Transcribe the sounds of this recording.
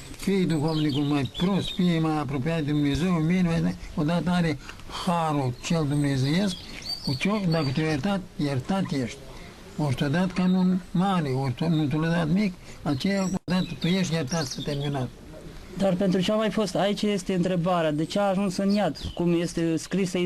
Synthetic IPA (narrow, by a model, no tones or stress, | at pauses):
fijd̪ukomnikumajpɾost̪fiɛmajapɾɔpijat̪d̪d̪umnezujmbenmaɔd̪at̪aɾe | xaɾut͡ʃɛld̪umnɛzujɛsk | t͡ʃɔd̪akət̪ujɛɾt̪at̪jaɾt̪at̪jɛʃt̪ | ɔɾt̪ɔd̪at̪kanunmaɾiɔɾt̪nut̪uləd̪at̪mik | at͡ʃɛaod̪at̪t̪ujɛʃt̪jaɾt̪at̪sət̪ɛɾminat̪ | d̪arpent̪ɾut͡ʃeamajfost̪ait͡ʃjest̪eɨnt̪ɾebaɾead̪et͡ʃeaːʒunsɨnjat̪kumjest̪eskɾisa